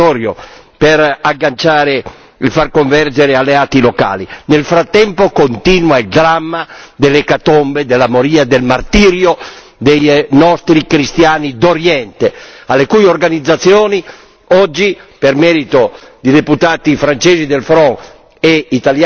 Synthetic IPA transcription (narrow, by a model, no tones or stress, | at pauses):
ɔːɾjo̰ | pɛɾaɡːant͡ʃaːɾe | ilfarkoɱvɛrd͡ʒeɾealːeaːt̪iloka̰ːlinelfɾat̪ːɛmpokont̪inwaild̪ɾamːad̪elːekat̪ombed̪elːamoɾiːad̪elmart̪iːɾjo | d̪ejnɔst̪ɾikɾist̪jaːnid̪oɾjɛnt̪ealːekujorɡanid̪zːat̪sjɔːni | ɔd͡ʒːipermɛːɾit̪od̪id̪eput̪aːt̪ifɾant͡ʃeːzid̪elfɾɔŋ | eit̪alj